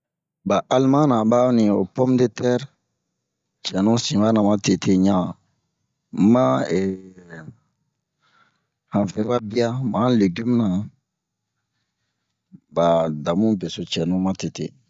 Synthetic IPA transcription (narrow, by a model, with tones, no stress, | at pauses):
ba˨ʔa˦lmã˦nã˨ba˦nĩ˨o˨pɔ˦mde˦tɛ˦ɾ | t͡ʃɛ˨nũ˦sĩ˨ba˦nã˨mã˦te˨tʰe˦ɲã˦ | mã˦ɛ˨ | hã˨fɛ˨˦ba˦bi˦a˦mã˨˦le˨ɡi˦mnã˨ | ba˨da˨mũ˦be˨so˨t͡ʃɛ˨nũ˦mã˦te˨tḛ˨